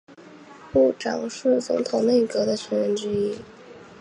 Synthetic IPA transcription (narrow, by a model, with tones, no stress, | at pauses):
pu˥˩ʈ͡ʂɑ˨˩ŋʂɻ̩˥˩t͡sʊ̰˧˥ŋt̪ʰʊ˨˩ŋne˥˩kɤ˧˥d̪ə˧t͡ɕʰə˧˥nɻə˥˧nʈ͡ʂɻ̩˥i˥